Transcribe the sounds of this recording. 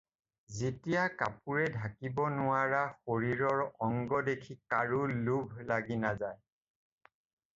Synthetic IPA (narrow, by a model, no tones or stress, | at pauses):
zetijakapuɹɛdʱakibɔnʊaɹaxoɹiɹɔɹɔŋɡɔdekʰikaɹulubʱlaɡinazaj